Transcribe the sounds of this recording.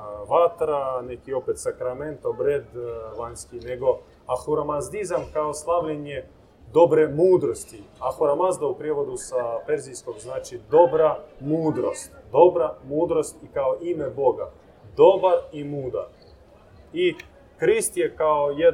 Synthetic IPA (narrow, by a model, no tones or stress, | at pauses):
ʋat̪ɾanekio̞pet̪sakɾame̞nt̪obɾed̪ʋaɲskine̞ɡo̞ | axuɾamazd̪izamkaoslˠaʋʎeɲje | d̪o̞bɾemuːd̪ɾost̪iaxuɾamazd̪aupɾjeʋo̞d̪usapeɾzijskoɡznaːt͡ʃid̪o̞bɾamuːd̪ɾost̪d̪o̞bɾamuːd̪ɾo̞st̪ikaoʔimebo̞ɡa | d̪o̞baɾimuːd̪a̰ | i | kɾist̪jekaojed̪